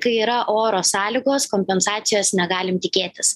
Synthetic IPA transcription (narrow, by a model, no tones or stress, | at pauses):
kɐɪiːɾɐʔoːɾoːsɑːlʲiːɡoːskoːmʲpʲɛnsɑːt̪sʲɪjoːsnʲɛɡɑːlʲɪmt̪ʲɪkʲeːt̪ʲɪs